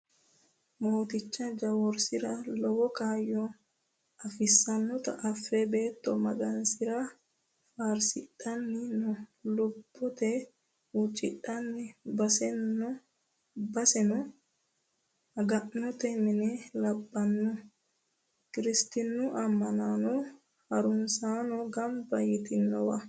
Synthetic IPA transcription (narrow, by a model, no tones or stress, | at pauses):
moːt̪ɪt͡ʃːɐd͡ʒɐwɔɾsɪɾɐlɔwɔkaːjɔ | ɐfɪsːɐnːɔt̪ɐ̰ʔːfːebe̞ːt̪ːɔmɐɡɐnsɪɾa | faːɾsɪᶑʼɐnːɪnɔlʊbːɔt̪ɛ | ut͡ʃʼːɪᶑɐnːɪbɐsɛnːɔ | bɐsɛnɔ | ɐɡɐʔnɔt̪ɛmɪnɛlɐbːɐnːɔ | kɪɾɪst̪ɪnːʊʔɐmːɐnanɔ | hɐɾʊnsaːnɔɡɐmbɐjɪt̪ɪnːɔwɐ